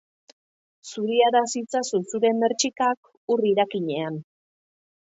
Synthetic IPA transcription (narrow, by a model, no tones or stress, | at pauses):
suɾiaɾasit͡sasusuɾe̞mːeɾt͡ʃikak | uriɾakiɲe̞an